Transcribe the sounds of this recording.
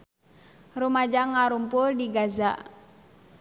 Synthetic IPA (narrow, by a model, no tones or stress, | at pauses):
rumad͡ʒaŋaɾumpʊldiɡaza̰ʔ